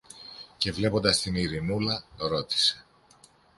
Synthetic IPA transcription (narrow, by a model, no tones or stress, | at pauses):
ce̞vle̞po̞nd̪ɐst̪iniɾinulɐɾo̞t̪i̥se̞̥